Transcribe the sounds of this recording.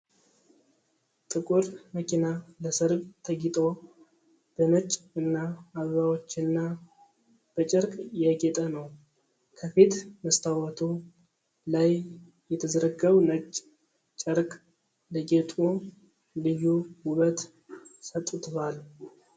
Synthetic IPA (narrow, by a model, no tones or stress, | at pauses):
t̪ʼɨkʼuɾməkinaləsɨɾbt̪ʰəɡit̪ʼo̞ | b̥əmɨt͡ʃʼɨnːaːββawot͡ʃːɨnːa | b̥ət͡ʃʼəɾkʼjɛɡet̪ʼənəw | kʰəfit̪məst̪ʰawat̪ʰu | laj | jɛt̪ʰəzəɾəɡəβnət͡ʃʼː | t͡ʃʼəɾkʼ | ləɡet̪ʼu | lɨjuwuβət̪ | sət̪ʼːt̪ʰoal